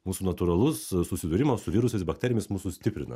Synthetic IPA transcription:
muːsuːnɐt̪uɾɐlˠʊssʊsʲɪd̪ʊɾʲɪmosʊʋʲɪɾʊsʲɛɪsbɐkt̪ʲɛɾʲɪjɛmɪsmuːsusʲt̪ʲɪpʲɾʲɪnɐ̰

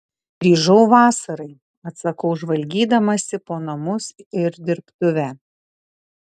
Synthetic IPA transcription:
ɡɾʲiːʒɐʊʋɑːsɐɾɐɪ | ɐt̪sɐkɐʊʒʋɐlʲɡʲiːd̪ɐmɐsʲɪpoːnɐmʊsɪɾd̪ʲɪɾpt̪ʊʋʲæ

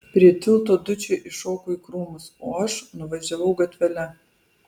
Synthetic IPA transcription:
pʲɾʲiɛt̪ʲɪlˠt̪oːd̪ʊt͡ʃʲeʔɪʃoːkoiːkɾuːmʊsoːɐʃnʊʋɐʒʲɛʋɐʊɡɐt̪ʲʋʲɛlʲɛ

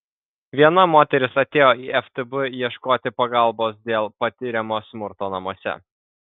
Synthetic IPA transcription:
ʋʲiɛnɐmoːt̪ʲɛɾʲɪsɐt̪ʲeːjoːʔiːɛft̪ɨbɨjiɛʃkoːt̪ʲɪpɐɡɐlˠˑboːs̬d̪ʲeːlˠpɐt̪ʲɪɾʲɛmoːsmʊɾt̪oːnɐmuɔsʲɛ̰

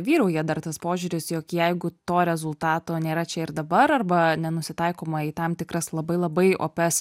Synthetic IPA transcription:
ʋʲiːɾɐʊjɛd̪ɐrt̪ɐspoːʒʲuɾʲɪsjokjɛɪɡʊt̪oːɾʲɛzʊlˠt̪ɑːt̪oːnʲeːɾɐt͡ʃʲɛɪɾd̪ɐbɐɾɐrbɐnʲɛnʊsʲɪt̪ɐɪkoːmɐiːt̪ɐmt̪ʲɪkɾɐslˠɐbɐɪlˠɐbɐɪo̰ːpʲɛs

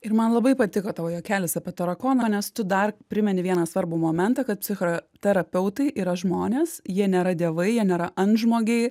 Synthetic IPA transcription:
ɪɾmɐnlˠɐbɐɪpɐt̪ʲɪkoːt̪ɑːʋoːjoːkʲæːlʲɪsɐpʲɛt̪ɐɾɐkoːnɐnʲɛst̪ʊd̪ɐrpʲɾʲɪmʲɛnʲɪʋʲiɛnɐsʋɐɾbʊːmoːmʲɛnt̪ɐkɐt̪̚pʲsʲɪxot̪ʲɛɾɐpʲɛʊt̪ɐɪʔiːɾɐʒmoːnʲeːsjiɛnʲeːɾɐd̪ʲeɛʋɐɪjiɛnʲeːɾɐʔɐnʒmoːɡʲɛɪ

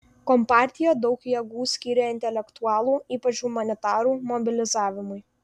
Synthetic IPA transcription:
kɔmpɑːˑɾʲt̪ʲɪjoːd̪ɒʊkjɛɡuːsʲkʲiːɾʲɛɪnʲt̪ʲɛlʲɛkt̪uɑːlˠuːiːpɐt͡ʃʲuːmɐnʲɪt̪ɑːɾuːmɔbʲɪlʲɪzɑːʋʲɪmʊɪ

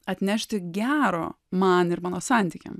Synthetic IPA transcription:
ɐt̪ʲnʲæʃʲt̪ʲɪɡʲæːɾoː | mɐnɪɾmɑːnoːsɑnʲt̪ʲikʲɛ̰m

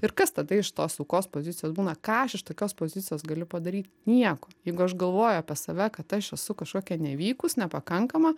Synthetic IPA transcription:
ɪɾkɐst̪ɐd̪ɐɪʃt̪oːsɐʊkoːspoːzʲɪtt͡sʲɪjoːsbuːnɐkɑːɐʃɪʃt̪oːkʲoːspoːzʲɪt̪t͡ssʲɪjoːsɡɐlʲʊpɐd̪ɐɾʲiːt̪ʲnʲiɛkoːjjɛɪɡʊɐʃɡɐlˠʋoːjʊɐpʲɛsɐʋʲɛkɐt̪ɐʃɛsʊkɐʃkoːkʲɛnʲɛʋʲiːkʊsnʲɛpɐkɐŋkɐmɐ

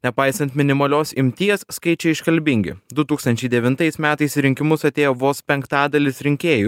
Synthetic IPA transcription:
nʲɛpɐɪsɐnt̪mʲɪnʲɪmɐlʲoːsɪmʲt̪ʲiɛsskɐɪt͡ʃʲɛɪɪʃkɐlʲbʲɪŋʲɡʲɪ̰d̪ʊt̪uːkst̪ɐnʲt͡ʃʲɛɪd̪ʲɛʋʲɪnt̪ɐɪsmʲæːt̪ɐɪsɾʲɪŋʲkʲɪmʊsɐt̪ʲeːjoːʋoːspʲɛŋkt̪ɑːd̪ɐlʲɪsɾʲɪŋʲkʲeːju

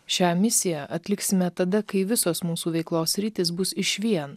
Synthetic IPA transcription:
ʃʲæːmʲɪsʲɪjæʔɐt̪ʲlʲɪksʲɪmʲɛt̪ɐd̪ɐkɐɪʋʲɪsoːsmuːsuːʋʲɛɪklˠoːsʲsʲɾʲɪt̪ʲɪs̬bʊsɪʃʲʋʲiɛn

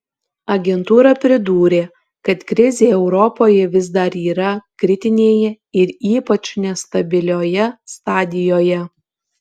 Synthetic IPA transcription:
ɐɡʲɛnt̪uːɾɐpʲɾʲɪd̪uːɾʲeː | kɐt̪kɾʲɪzʲeːɛʊɾɔpoːjɛʋʲɪzd̪ɐɾiːɾɐkɾʲɪt̪ʲɪnʲeːjɛ | ɪɾiːpɐt͡ʃnʲɛst̪ɐbʲɪlʲoːjɛst̪ɑːd̪ʲɪjoːjɛ

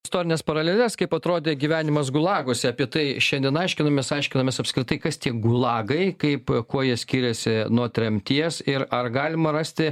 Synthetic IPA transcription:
ɪst̪oːɾʲɪnʲeːspɐɾɐlʲeːlʲɛskɐɪpɐt̪ɾoːd̪ʲeːɡʲiʋʲæːnʲɪmɐsɡʊlˠɑːɡoːsʲɪɐːpʲiɛt̪ɐɪʃʲɛnd̪ʲiɛnɐɪʃʲkʲɪnɐmʲeːsɐɪʃʲkʲɪnɐmʲeɛsɐpskɾʲɪt̪ɐɪkɐst̪ʲiɛɡʊlˠɑːɡɐɪkɐɪpkuɔjiɛsʲkʲiːɾʲɛsʲɪnuɔt̪ʲɾʲɛmʲt̪ʲiɛsɪɾɐrɡɑːlʲɪmɐrɑsʲt̪ʲɪ

